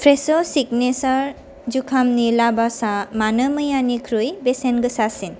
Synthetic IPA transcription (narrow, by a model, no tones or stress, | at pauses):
pʰɾesɔsik̚nesɔɾ | d͡ʒukʰamnilabasamanəmɯjanikʰɾujbesenɡɯsasin